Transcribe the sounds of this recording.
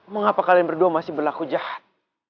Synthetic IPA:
məŋapakalianbərduamasɪhbərlakud͡ʒahat̪̚

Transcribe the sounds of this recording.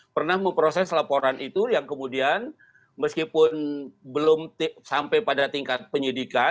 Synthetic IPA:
pərnahməmpɾosɛslapoɾanʔit̪ujaŋkəmudian | məskipʊnbəlʊmt̪isampajpadat̪iŋkat̪̚pəɲidika

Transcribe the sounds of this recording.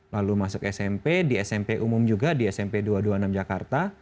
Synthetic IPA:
lalumasʊkɛsɛmpediɛsɛmpeʔumʊmd͡ʒuɡadiɛsɛmpeduaduanamd͡ʒakart̪a

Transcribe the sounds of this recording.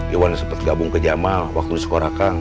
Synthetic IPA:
ewansəmpət̪̚ɡabʊŋkəd͡ʒamawak̚t̪udisə̥koɾakan

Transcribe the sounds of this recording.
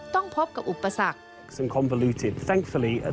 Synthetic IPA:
t̪ɔŋpʰop̚kap̚ʔupːasak̚ | ksə̃nkʰɒ̃ɱvəlʉˑtʰɪd̥̪̚θãŋkfəliə̰

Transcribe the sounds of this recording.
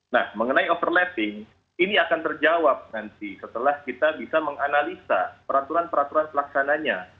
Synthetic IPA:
nahməŋənaiofərlɛt̪ɪŋ | iniakant̪ərd͡ʒawap̚nant̪̚isət̪əlahkit̪abisaməŋanalisapəɾant̪uɾanpəɾant̪uɾanpəlaksanaɲa

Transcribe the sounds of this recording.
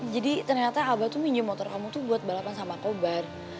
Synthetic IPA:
d͡ʒadit̪ərɲat̪aːbat̪umiɲd͡ʒumɔt̪ɔrkamut̪ubuat̪̚balapansamakobar

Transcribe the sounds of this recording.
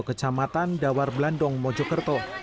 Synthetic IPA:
kət͡ʃamat̪andawarblandɔŋmɔd͡ʒɔkərt̪ɔ

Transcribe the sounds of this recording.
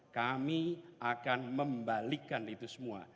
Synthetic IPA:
kamiʔakanməmbalikanit̪usəmua̰

